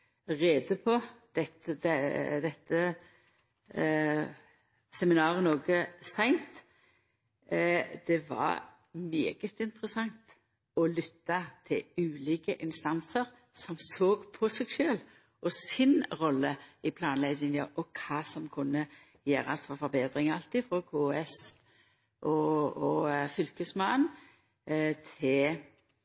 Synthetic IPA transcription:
ʁeːd̪əpʰɔd̪̥ɛt̪d̪ɛd̪ɛt̪ːə | sɛmɪnɑːɾənoːɡəsæɪnt̪ | d̪̥ɛʋɑ̰ɾ | mḛːɡət̪ɪnt̪ʁəsɑŋt̪ | ɔlʏt̪ːɑt̪ʰɪlʉːliːkəʔɪnst̪ɑnsəʁ | sɔmsoːɡpʰɔsɛɡʃøːl | ʔɔsɪnʁɔlːəɪpʰlɑːnlɛɡɪŋəʔɔkʰɑːsɔmkʰʊnːə | jæːɾɑst̪fɔfɔbeːd̪ɾɪŋɑlt̪ɪfɾɔkʰuːɛs | ʔɔɔfʏlkəsmɑːən | t̪ʰɪl

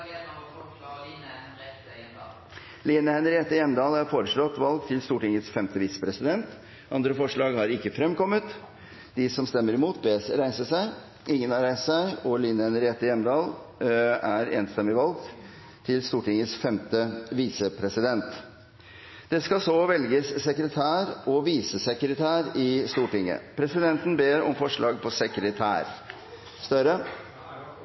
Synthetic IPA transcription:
liːnəhɛnɾɪeːt̪ːəjɛmd̪ɑːlæɾfoːɾəʂɭɔt̪ːʋɑlɡ̚t̪ʰɪlst̪uːʈɪŋəsfɛmt̪əʋiːsə̥pʰɾɛsɪd̪ɛnt̪ | ʔɑnd̪ɾəfɔʂɭɑːɡhɑɾɪkːəfɾɛmkɔmːət̪ | d̪ɪsɔmst̪ɛmːəɾɪmuːt̪beːsɾæɪsəʂæɪ | ɪŋːənhɑɾæɪst̪sæɪɔliːnəhɛnɾɪeːt̪ːəjɛmd̪ɑːl | æɾeːnst̪ɛmːɪʋɑlɡ̚t̪ | t̪ʰɪlst̪uːʈɪŋːəsfɛmt̪əʋiːsəpʰɾɛsɪd̪ɛnt̪ | d̪̥ɛskɑsɔʋɛlɡəsːɛkɾət̪ʰæːɾɔʋiːsəsɛkɾət̪ʰæːɾɪst̪uːʈɪŋːə̰pʰɾɛsɪd̪ɛnt̪n̩beːɾɔ̰mfɔʂɭɑːɡ̚pʰɔsɛkɾət̪ʰæ̰ːɾ | st̪œɾə

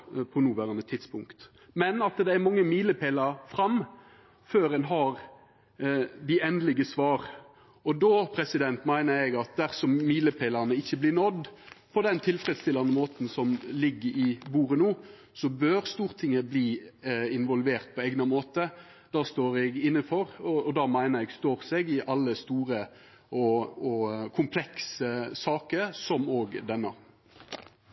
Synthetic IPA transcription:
pʰɔnuːʋæɾɑnət̪ʰɪt̪spʊŋkt̪ | mɛnɑt̪d̪ɛæɾmɑŋːəmiːləpʰeːləɾfɾɑm | føːɾɛnɦɑɾ | d̪ɪɛnd̪lɪɡəsʋɑːɾ | ɔd̪oːpʰɾɛsɪd̪ɛnt̪mæɪnəɾɛɡɑt̪̚d̪æʁsɔmmiːləpʰeːləɾnəɪçːəblɪnɔd̪pʰɔd̪ɛnt̪ʰɪlfɾɛd̪st̪ɪlːɑnəmoːt̪n̩sɔmlɪɡːəɾɪbuːɾənuː | sɔbøːɾst̪uːʁt̪ʰɪŋːəbliːɪnʋɔlʋeːʁt̪̚pʰɔɛɡnɑmoːt̪ə | d̪ɑːst̪oːɾɛɡɪnːəfɔɾɔɔd̪ɑːmæɪnəɾɛɡst̪oːɾsɛɡɪʔɑlːəst̪uːɾə | ɔɔkʰʊmpʰlɛksəsɑːkəɾsɔmoːɡd̪ɛnːɑ̰

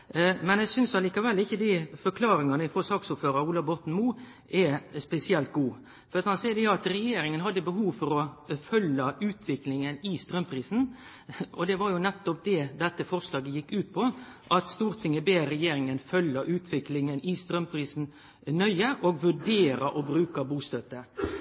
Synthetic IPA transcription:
mɛnæɪsʏnsɑliːkɑʋɛlːɪçːəd̪ɪfɔɾkʰlɑːɾɪŋɑnəɪfɔsɑːksuːpføːɾɑɾuːlɑbɔt̪ːn̩muː | ʔɛspɛsɪɛlt̪̚ɡuː | fɔɾɑt̪hɑnsɛːd̪ɛjʊɑt̪ɾɛjeːɾɪŋənɦɑd̪ːəbəɦuːʋfɔɾɔfœlːəʔʉːt̪ʰʋɪklɪŋənɪst̪ɾœmpʰɾiːsn̩ | ɔd̪ɛʋɑɾjʊnɛt̪ːɔp̚d̪ɛd̪ɛt̪ːəfɔɾʂlɑːɡəjɪkːʉːt̪̚pʰɔʔɑt̪st̪uːɾt̪ʰɪŋəbeːɾɾɛjeːɾɪŋənfœlːɑʔʉːt̪ʰʋɪklɪŋənɪst̪ɾœmpʰɾiːsn̩ | nœʏəʔoɡʋʉɖeːɾɑʔɔbɾʉːkɑbuːst̪øt̪ːə

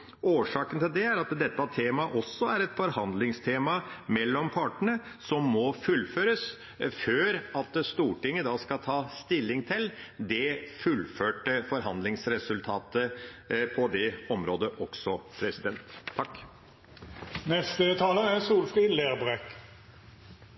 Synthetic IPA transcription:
oːʂɑːkənt̪ʰɪld̪ɛæɾɑt̪d̪ɛt̪ːɑt̪ʰeːmɑʔɔsːɔæɾɛt̪fɔɾhɑnd̪lɪŋst̪ʰeːmɑmɛlːɔmpʰɑʈəɳəsɔmːɔfʉlføːɾəs | føːɾɑt̪st̪uːʈɪŋːəd̪ɑːskɑt̪ʰɑːst̪ɪlːɪŋt̪ʰɪld̪ɛfʉlføːʈəfɔɾɦɑnd̪lɪŋsɾɛsʉlt̪ʰɑːt̪əpʰɔd̪ɛɔmɾoːd̪əʔɔksɔpʰɾɛsɪd̪ɛnt̪ʰːɑkː | nɛst̪ət̪ʰɑːləæsuːlfʁiːleːʁbʁɛk

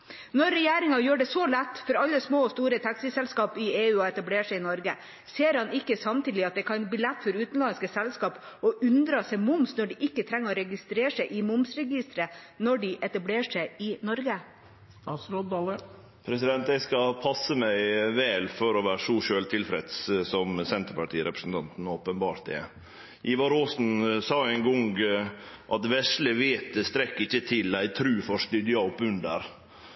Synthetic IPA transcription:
nɔɾɛjeːɾɪŋɑjøːɖɛsɔlæt̪ːfɔɾɑlːəsmoːɔst̪uːɾət̪ʰɑksɪsɛlskɑːpɪeːʉːɔɛt̪ɑbleːʂɛɪɪnɔɾɡə | seːɾhɑnɪkːəsɑmt̪ʰiːlɪɑt̪̚d̪ɛkʰɑblɪlɛt̪ːfɔɾʉːt̪n̩lɑnskəsɛlskɑːp | ɔʔʉnd̪ɾɑsɛmʊmsnɔɖɪʔɪkːət̪ʰɾɛŋːəɔɾɛɡɪst̪ɾeːʂɛɪʔɪmʊmsɾɛɡɪst̪ɾə | nɔɖɪʔɛt̪ɑbleːʂɛɪɪnɔɾɡə | ɑsɾolə | pʰɾɛsɪd̪ɛnt̪æskɑpʰɑsəmæɪʋɛːlfɔɾɔʋæːɾʂuːʃøːlt̪ʰɪlfɾɛd̪ssɔmsɛnt̪əɾpɑʈʰiːɾʔɛpɾəsn̩t̪ʰɑnt̪n̩oːpənbɑːɾt̪ɛ̰ | ʔiːʋɑɾoːsn̩sɑːæɪnɡɔŋɡ | ʔɑt̪ʋɛʂləʋeːt̪̚əst̪ɾɛkːɪçːət̪ʰɪlæɪt̪ʰɾʉːfɔʂt̪ʏd̪jɑɔpʉnd̪ə̰ɾ

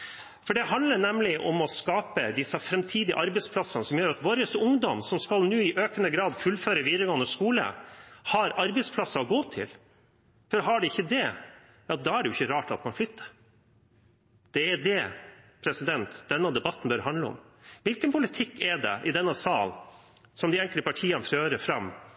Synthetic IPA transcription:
fɔɖɛɦɑnd̪ləɳɛmlɪʔɔmɔskɑːpəd̪ɪsːɑfɾɛmt̪ʰiːd̪ɪə̰ʔɑɾbɛɪspʰlɑsːɑnəsɔmjøːɾɑt̪ʋoːɾəsʊŋd̪ɔmsɔmskɑlnʉːɪʔøːkənəɡɾɑːd̪fʉlføːɾəʋiːd̪ɾəɡɔnəskuːlə̰hɑɾɑɾbɛɪspʰlɑsːɑɔɡoːt̪ʰɪ̰l | fɔɾɦɑɖɛɪçːəd̪ɛ | jɑd̪ɑːæɖɛjʊɪçːəɾɑːʈɑt̪mɑnflʏt̪ʰːə̥ɾ | d̪̥ɛːɖɛpʰɾɛsɪd̪ɛnt̪d̪̥ɛnːɑd̪ɛbɑt̪ːən̩bœɾɦɑnd̪ləɔ̰m | ʋɪlkənpʊlɪt̪ʰɪkːɛɖɛ̰ʔɪd̪ɛnːɑsɑːl | sɔmd̪ɪɛŋkləpɑʈʰiːɑnføːɾəfɾɑm

